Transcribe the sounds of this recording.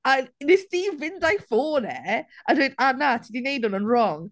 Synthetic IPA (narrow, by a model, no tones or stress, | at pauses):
ənnɪstiːvɪ̃ndaɪfɔːnɛʔãdɪdanatʰɪdineɪdɔ̃nə̃nɹɔŋ